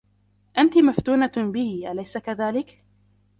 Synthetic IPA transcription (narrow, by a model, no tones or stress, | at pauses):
ʔant̪ɪmaft̪uːnabɪhiʔalajsakaðaːlɪk